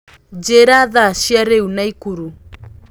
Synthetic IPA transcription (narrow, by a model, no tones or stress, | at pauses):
d͡ʒɛɾaðaʃiaɾɛunaikuɾu